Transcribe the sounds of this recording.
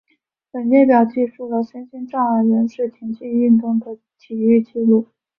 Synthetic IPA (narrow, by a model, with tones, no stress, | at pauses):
pə˨˩nmjɛ˥˩pjɑ˨˩ʊt͡ɕi˥˧ʂu˥˩lə˨˩ɕɛ˥nɕi˥nʈ͡ʂɑ˥˩ŋə˧˥ɻə˧˥nʂɻ̩˥˩t͡ɕ̪ʰi˧˥ŋt͡ɕʰi˥˧ni˥˧nt̪ʊ˥˩ŋd̪ə˩ | t̪ʰi˨˩y˥˧t͡ɕi˥˧lu˥˩